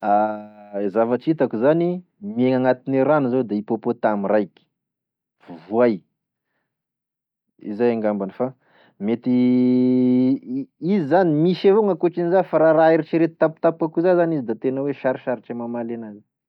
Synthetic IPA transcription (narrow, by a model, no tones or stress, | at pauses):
a | zavaʈ͡ʂit̪akuzani | mieŋaŋat̪ineɾanizod̪aipopot̪amirajkʲi̥ | vvuaj | ḭzajaŋɡambanifa | met̪i | izizanimiʃevoŋakuʈ͡ʂinizafaɾaɾaiɾiʈ͡ʂiɾet̪̚t̪aput̪ap̚kakuzazanizid̪at̪enaweʃaɾiʃaɾiʈ͡ʂemamalenazi